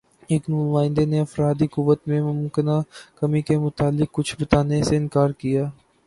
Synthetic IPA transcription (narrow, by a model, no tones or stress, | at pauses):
eːknuːmaːɪ̃nd̪eneɐfɾaːd̪ikʊʋːət̪mẽmʊmkɪnakɐmikemʊt̪aːlːɪk̚ːʊt͡ʃʰbɐt̪aːneseɪnkaːɾkijaː